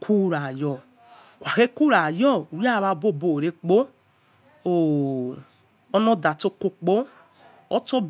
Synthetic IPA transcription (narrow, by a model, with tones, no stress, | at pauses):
kʰu˦ɾa˨jɔ˨ | wʷa˨xe˦ku˦ɾa˨jɔ˦˨u˨ja˦˨βa˧bo˦˨bo˨ɾe˧k͡po˦ | o˨ | ɔ˦nɔ˦da˨to˧ko˧k͡po˦ | ɔ˦to˦b